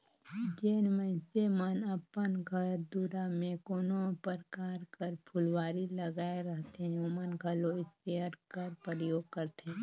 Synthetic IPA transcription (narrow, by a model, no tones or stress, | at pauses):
d͡ʒeːnməɪ̃semənəpənɡʱəɾd̪uɾamẽkoːnõpəɾkaːɾkəɾpʰʊlwaːɾiləɡaːeɾɐɦt̪eɦɛ̃õmənɡʱɐloɪspeəɾkəɾpəɾjoːɡ̚kəɾt̪eɦɛ̃ː